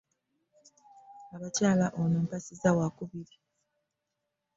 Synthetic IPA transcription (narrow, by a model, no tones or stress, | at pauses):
aβacaːlaʔonoːmpasizawakuβiɾi